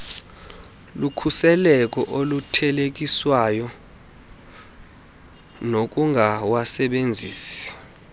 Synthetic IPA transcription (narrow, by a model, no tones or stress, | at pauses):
lukʰusɛlɛk̬ʼɔʔolutʰɛlek̬iswajɔ | nok̬ʼuŋʱawasɛɓend͡zʱiːsi̥